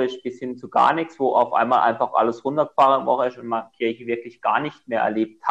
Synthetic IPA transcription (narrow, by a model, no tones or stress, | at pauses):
ɪsb̥ɪshɪnt͡suɡa̰ːɐnɪçt͡sv̥oːʔaʊfʔa̰ɪnmaːlʔa̰ɪnfaχʔa̰ləsʁʊntɐɡəfaːʁəvɔχəɪsʊntmaɪnəkʰɪɐçəvɪɐklɪçɡ̥a̰ːɐnɪçt̚meːɐʔɛ̰ɐleːp̚tha